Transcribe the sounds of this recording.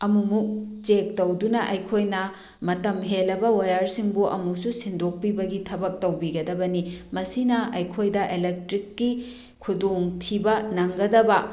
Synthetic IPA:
ɐmumuk̚t͡ʃek̚tɐwdunɐʔɐjkʰojnɐ | mɐtɐmɦelːɐbɐwɐjaɾsiŋbuʔɐmususindok̚pibɐɡitʰɐbɐk̚tɐwbiɡɐdɐbɐnimɐsinɐɐjkʰojdɐʔelek̚tɾikːi | kʰudoŋtʰibɐnɐŋɡɐdɐbɐ

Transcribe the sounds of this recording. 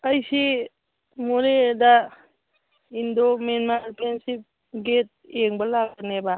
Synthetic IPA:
əjsi | moɾeda | indomenmaɾpʰensip̚ | ɡet̚eŋbalaɡaneba

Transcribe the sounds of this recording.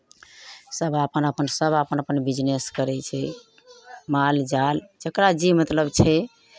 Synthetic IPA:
səbapənəpənsəbəpənəpənbid͡ʒneskəɾɛt͡ʃʰɛ | mald͡ʒald͡ʒəkɾad͡ʒimət̪ləbt͡ʃʰɛ

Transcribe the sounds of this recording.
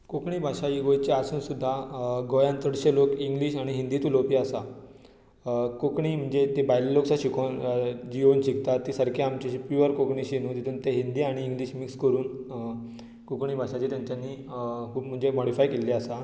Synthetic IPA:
kokɳiːbʱaʂajiɡojt͡ɕeasuːnsud̪ʱːaɡojãnt̪əɽɕelokiŋɡliːɕaɽ̃iɦind̪iːt̪ulopiasa | kokɳiːm̤əɳd͡zet̪ebajliloksaɕikond͡ʑionɕikt̪at̪ːiːsəɾkjaamt͡ɕiɕipjuəɾkokɳiɕinũːt̪it̪ʰuːnt̪eɦind̪iːaɽ̃iːŋɡliːɕmikskəɾuːn | kokɳiːbʱaʂat͡ɕiːt̪jãɲt͡ɕjanːiː | kʰuːpm̤əɳd͡zemɔɽifajkelːiasa

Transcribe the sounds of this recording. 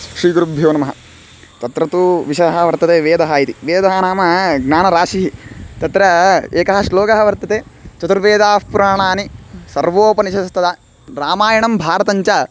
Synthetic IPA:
ʃɾiːɡɾubʱjoːnɐmɐɦɐ | t̪ɐt̪ɾɐt̪uʋiʃɐɦɐʋɐɾt̪ɐt̪eːʋeːd̪ɐɦaːjit̪iʋeːd̪ɐɦaːnaːmɐɡnaːnɐɾaːʃiɦit̪ɐt̪ɾɐeːkɐɦɐsloːkɐɦɐʋɐɾt̪ɐt̪eːt͡ʃɐt̪uɾʋeːd̪aːspuɾaːɳaːnisɐɾʋoːpɐniʃɐst̪ɐd̪a | ɾaːmaːjɐɳɐmbʱaːɾɐt̪ɐɲt͡ʃɐ

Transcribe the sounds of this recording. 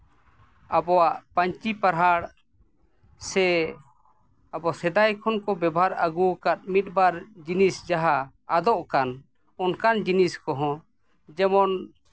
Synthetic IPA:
abɔwaʔpaɲt͡ʃipaɾɦaɽ | sɛ | abɔsɛd̪ajkʰɔnkɔbɛbɦaɾaɡukat̪̚mit̪̚ˀbaɾd͡ʒinisd͡ʒaɦaː | d̪ɔʔkan | ɔnkand͡ʒiniskɔɦɔ̃ | d͡ʒɛmɔn

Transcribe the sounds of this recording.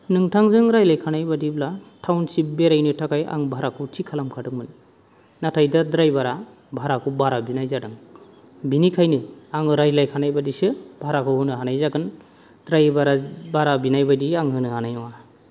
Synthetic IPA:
nɯŋtʰaŋzɯŋɾajlajkʰanajbadiblatʰawnsip̚beɾajnɯtʰakʰaja̰ŋbʱaɾakʰɯtʰikʰalamkʰadɯŋmɯnː | atʰajdadɾajbaɾa | bʱaɾakʰɯwbaɾabinajzadɯŋ | binikʰajnɯaŋɾajlajkʰanajbadisɯb̥ʱaɾakʰɯwɯnɯɦanajzaɡɯn | d̥ɾajbaɾabaɾabinajbadiaŋɦɯnɯanajwa

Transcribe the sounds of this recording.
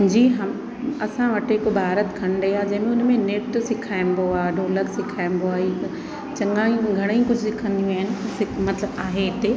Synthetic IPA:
d͡ʑiːɦɐm | ɐsãʋɐʈɦɪkbʱaːɾət̪kʰɐñɖɐiaːd͡ʑɐ̃ɦmẽʊnmẽnɪʈsɪkʰaːɪnboaːɖʱoːləksɪkʰaːɪnboaːi | t͡ɕɐŋaːĩɡʱɐɽ̃əĩkʊd͡ʑʱsɪkʰə̃nd̪ijũaːɦɪnɪ̆sɪmɐt̪ləbaːɦeɦɪt̪eː

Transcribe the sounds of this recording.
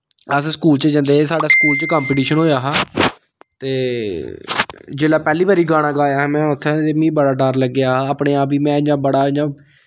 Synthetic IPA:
əsskuːlt͡ʃəd͡ʒə̃nd̪eːsaːɖaːskuːlt͡ʃəkaːmpiʈiːʃənɦoːjaːɦaː | t̪eː | d͡ʒeːlaːpɛːliːbaːɾiːɡaːɽ̃ãːɡaːjaːɦːmɛ̃ːʊt̪ʰːãːt̪eːmĩːbəɽaːɖəɾləɡːɪaːɦaːaːpɳeːaːpiːmɛ̃ːãːbəɽaːɪãː

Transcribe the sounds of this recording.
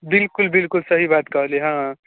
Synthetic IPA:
bɪlkʊlbɪlkʊlsəɦibaːt̪kʌɦleɦãː

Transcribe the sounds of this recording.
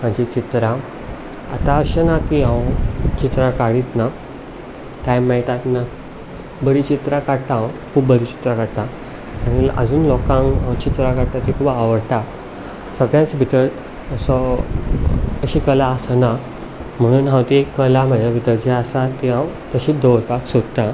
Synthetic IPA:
maɳd͡ʑit͡ɕit̪ɾã | a̰t̪aəɕənakiɦãwt͡ɕit̪ɾakaɽiːt̪na | ʈajmːɛiʈ̪at̪na | bəɾiːt͡ɕit̪ɾakaɽt̪ãwkʰuːbbəɾiːt͡ɕi̥t̪ɾakaɽt̪a | aɽ̃iə̰d͡zuːnlɔkãŋɦãwt͡ɕit̪ɾakaɽt̪at̪ikʰuːbaʋəɾt̪a | səɡjãt͡sbʱit̪əɾ | əsɔ | əɕiːkəlaːsna | m̤əɽ̃uːnɦãwt̪iekːəlam̤ədʱjabʱit̪əɾd͡ʑeasat̪iɦãwt̪əɕiːd̪əʋɾpaksod̪t̪a

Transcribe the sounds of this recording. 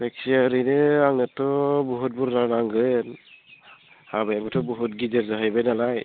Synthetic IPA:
ek̚siaɾinɯaŋnɯtɔbɔɦut̚buɾnanaŋɡɯn | habajamɯtʰɔbɔɦut̚ɡizeɾzaɦajbajnalaj

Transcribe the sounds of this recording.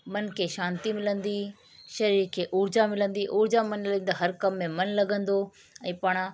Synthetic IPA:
mɐnkʰeːʃaːnt̪imɪlə̃nd̪iː | ʃɐɾiːɾkʰeːʔʊːɾd͡ʑamɪlə̃nd̪iʔʊːɾd͡ʑamɐnlɐɡə̃n̆d̪aɦɐɾkɐmːẽmɐnlɐɡə̃nd̪o | ɛ̃ːpaːɽ̃a

